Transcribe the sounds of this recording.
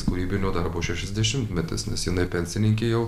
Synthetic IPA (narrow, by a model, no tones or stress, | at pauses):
skʊɾʲiːbʲɪnʲoːd̪ɐɾboːʃʲɛʃʲɛzʲd̪ʲɛʃʲɪmt̪ʲmʲɛt̪ʲɪ̰snʲɛsjɪnɐɪpʲɛnʲsʲɪnʲɪŋʲkʲejɛʊ